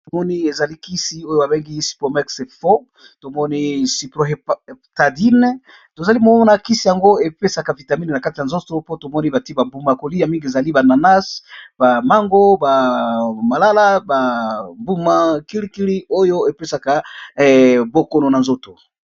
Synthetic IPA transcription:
to˨mɔ˦ni˦e˨za˨li˦ki˦si˨o˦jo˨a˨be˦ŋɡi˦si̥˨po˨mɛ˦kse˨fo˦ | to˨mɔ˦ni˦si˨plo˨ɦe˨pta˨di˦n˦ | to˨za˨li˦mo˨˦ɔ˦na˨ki˦si˨ja˨ŋɡo˦e˨pe˦sa˨ka˨vi˨ta˨mi˦n˨na˨ka˦ti˨a˨nzo˦to˦po˦to˨mɔ˦ni˦ba˨ti˦ba˨mbu˦ma˨ko˨li˦ja˨mi˦ŋɡi˨e˨za˨li˦ba˨na˨na˦sb̥a˨ma˦ŋɡo˦ba˨ma˨la˦la˦ba˨mbu˦ma˦ki˦ɾi˦ki˦ɾi˦o˦jo˦e˨pe˦sa˨ka˨ | bo˨ko˨no˨na˨nzo˦to˨

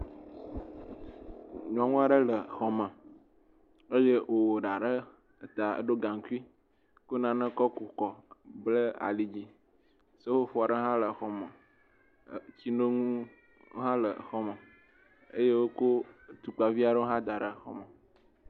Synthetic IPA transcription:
ɲɔ̃˨a˨ŋũ˦a˨ɖə˦lə˨xɔ˨mə̃˨ | ə˦je˦wo˨wo˨ɖa˨ɖə˦˨ | t̪a˨ə̰˦ɖo˦ɡã˨ŋ˨ku˦i˦ | ko˦nã˨nə̃˦kɔ˦ku˨kɔ˨blə˦a̰˨li˨d͡ʑi˦ | sə˦wo˦fɔ˨a˨ɖə˦ɦã˦lə˨xɔ˨mə̃˨ | t͡ɕi˦no˦ŋũ˦ | ɦã˦lə˨xɔ˦mə̃˨ | ə̰˦je˦wo˦ko˦t̪u˨k͡pa˨vi˦a˨ɖə˦o˦ɦã˦d̪a˨ɖə˨xɔ̰˦mə̃˨

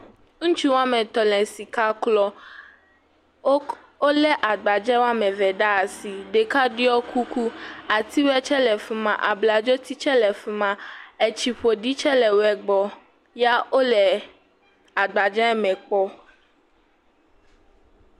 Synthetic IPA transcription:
ŋ̩̃˦t͡ʃu˦wa˦mɛ̃˨t̪ɔ˨lɛ̃˨si˨ka˦klɔ˦ | o˦lɛ˦ʔa˨ɡ͡ba˨d͡ʒɛ̃˦wa˦mɛ̃˨vɛ˨ɖa˦˨si˨ɖe˨ka˦ɖi˦ɔ˦kʰu˦ku˦a˨t̪i˦wɛ˦t͡ʃɛ˦lɛ˨fi˨mã˨ʔa˨bla˨d͡ʒo˦t̪i˦t͡ʃɛ˦lɛ˨fu˦mã˨ɛ˨t͡ʃi˨ɸo˨ɖi˦t͡ʃɛ˦lɛ˨wɛ˨ɡ͡bɔ˦ | ja˦o˦lɛ˨ | a˨ɡ͡ba˨d͡ʒɛ̃˦mɛ̃˨k͡pɔ˦

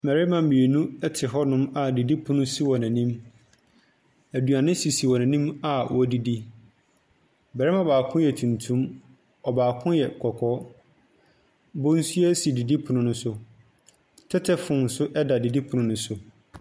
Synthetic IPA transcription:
mɛ˨ɾi˦mã˨m̩˨mĩ˨e˨nũ˦ɛ˦tʰɪ˨ɦɔ˦nʊ̃˦ma˨di˨di˦pʰʊ̃˦nʊ̃˦si˦wɔ˨næ̃˨nĩ˦m | æ˨du˨a˨nɪ̃˦si˨si˨wɔ˨næ̃˨nĩ˦ma˨wʔɔ˨˦di˨di˦ | bɛ˨ɾɛ˦mã˨baː˨kʰʊ̃˦jɛ˨tʰũ˨ntʰũ˦m | ɔ˨baː˨kʰʊ̃˦jɛ˨kʰɔ˨kʰɔ˦ | bo˦n̩˦su˦ɛ˦si˨di˨di˦pʰʊ˨nʊ̃˦nʊ̃˦sʊ˦ | tʰɛ˦tʰɛ˦fʊ̃˨n̩˨sʊ˦ʔɛ˦da˨di˨di˦pʰʊ̃˨nʊ̃˦nʊ̃˨sʊ˨

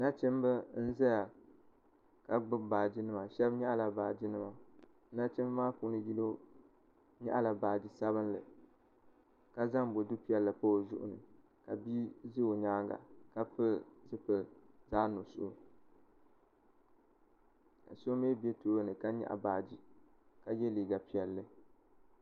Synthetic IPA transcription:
na˦t͡ʃɛ˦mbɨ˦n̩˦za˦ja˨ | ka˨ɡ͡bʊ˦baː˨d͡ʒi˦nɨ˦ma˨ʃɛ˦bɲɛ˦ʔa˦la˨baː˨d͡ʒi˦nɨ˦ma˨˦ | na˦t͡ʃɛ˦m˦maː˦pu˨˦nɨ˦ji˦lo˦ | ɲɛ̰˦ʔa˦la˨baː˨d͡ʒi˨sa˦βɨ˦n˦lɨ̰˨ | ka˦za˦ŋbo˨dɨ˦pi˦ɛ˦lːɨ˨po˦˨ʒʊ̰˦ʔʊ̰˨nɨ˨ | ka˨bi˦zɨ˦o˨ɲaː˦ɡa̰˨ka˦pɨ˦zɨ˦pɨ˨zaː˦no˨sʊ˦ʔo˦ | ka̰˨so˦meː˦be˦toː˦ɾo˦nɨ˨ka˦ɲɛ̰˦˨ʔa̰˨baː˨d͡ʒi˨ | ka˦jɛ˦liː˨ɡa˨pi˨ɛ˨lːɨ˦

